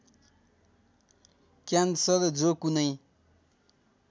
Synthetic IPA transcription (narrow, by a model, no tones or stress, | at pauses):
kjansʌɾd͡zokunʌj